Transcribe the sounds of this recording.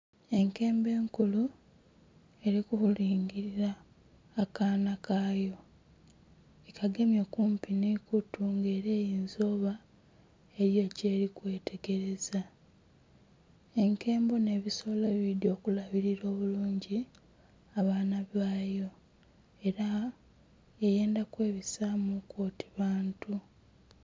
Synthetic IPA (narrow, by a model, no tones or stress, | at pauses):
e̞ŋke̞ːmbe̞ːŋkulu | e̞ɾikuhuliːŋɡiɾiɾaː | kaːnakaːjo̞ | ekʰaɡe̞mjo̞kuːmpinikutuŋɡe̞ːɾe̞ːjiːnzo̞ːβa | e̞ɾjo̞ce̞ːɾikwe̞ːtʰe̞ɡe̞ɾe̞za | e̞ŋke̞ːmbo̞ne̞ːβiso̞leβidio̞ːkulaβiɾiɾo̞ːβuluːɲɟi | aβaːnaβaːjo̞ | e̞ɾa | eje̞ːndakwe̞ːβisamukwo̞ːti̥βaːntu